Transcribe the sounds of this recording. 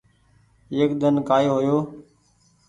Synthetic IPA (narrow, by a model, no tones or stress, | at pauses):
eːkd̪ənkaːjoːɦoːjoː